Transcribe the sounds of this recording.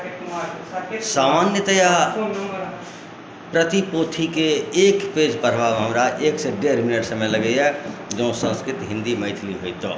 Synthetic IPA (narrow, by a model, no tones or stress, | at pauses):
saːmaːnjət̪əja | pɾət̪ipoːt̪ʰikeeːkpeːd͡ʒpəɾbaːɡɦəmɾaʔeːkseɖeːɾmɪnɪʈsɐməjlɐɡəiɦɛd͡ʒõːsə̃nskɾɪt̪ɦɪ̃nd̪imɐɪt̪ʰliɦoit̪oː